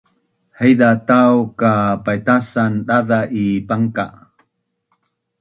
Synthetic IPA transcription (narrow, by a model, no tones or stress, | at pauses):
həjdat̪awkapajt̪asanɗaðaʔipaŋka̰